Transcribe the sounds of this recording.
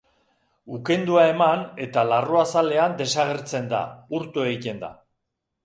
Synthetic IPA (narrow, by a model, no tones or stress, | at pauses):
uke̞nd̪uae̞mane̞t̪alaroasale̞and̪e̞saɣe̞ɾt͡se̞nd̪a̰uɾt̪ueit̪e̞nd̪a̰